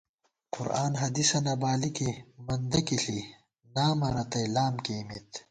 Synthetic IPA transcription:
qʊ̰ɾa̰ːnɦɐd̪isɐnɐbaːlikimɐnd̪ɐkiɬi | naːmɐɾɐt̪ɐjlaːmkeːmit̪

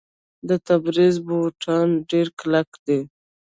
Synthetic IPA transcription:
d̪ət̪abɾizboʈʰɑnɖeɾklakd̪e

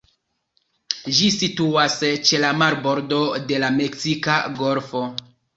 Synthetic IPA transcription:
d͡ʒisituast͡ʃe̞lamaɾbo̞ɾdo̞de̞lame̞ksikaɡo̞lfo̞

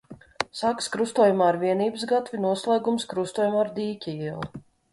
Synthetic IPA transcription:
sakskɾust̪uɔjumaːɾvʲiɛniːbɨsɡat̪vʲinuɔslˠaːɡumskɾust̪uɔjumaːɾd̪ʲiːcʲiilˠu

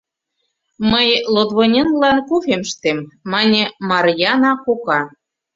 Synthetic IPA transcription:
məjlod̪βonʲenlɑnkufemʃt̪emːɑnʲemɑrjɑnɑkokɑ

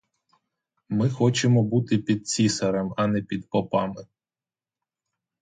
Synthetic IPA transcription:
mɪxɔt͡ʃemɔbut̪ɪpʲid̪̚t͡sʲisɐɾɐmɐnɛpʲid̪pɔpɑmɪ

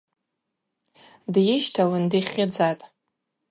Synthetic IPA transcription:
djɪʃtʰawɨndiχʲɪd͡zatʼ

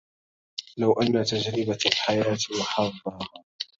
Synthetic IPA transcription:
lawʔanːat̪ad͡ʒɾɪbalħajaːt̪wħɑðˤːɑh

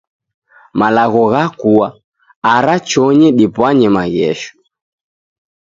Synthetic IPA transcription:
malaɣɔɣakuwa | aɾat͡ʃɔɲɛɗipwaɲɛmaɣɛʃɔ̥

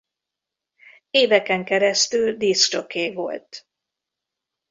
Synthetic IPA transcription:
eːvɛkɛŋkɛɾɛst̪yld̪ist͡ʃokeːvo̞̰lt̪

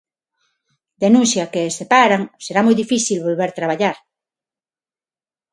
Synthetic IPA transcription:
d̪enũnθjakesepaɾaŋseɾamɔjðifiθilβolβeɾt̪ɾaβaʎaɾ

